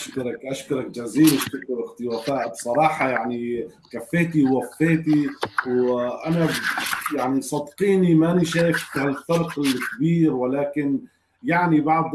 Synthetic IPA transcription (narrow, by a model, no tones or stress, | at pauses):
ʔaʃkʊɾˤɑkʔaʃkʊɾˤɑk̚d͡ʒaziːlɪʃt̪akʊɾɪxt̪ɪwaːt̪aːʔbsˤɑɾˤɑːħɑjaʕnikafːeːt̪iwːafːeːt̪iwʔanajaʕnisˤɑd̪qiːnimaniʃaːjɪfhalfɑɾˤqɪlkbiːɾwalaːkɪn | jaʕnibɑʕd̪ˤ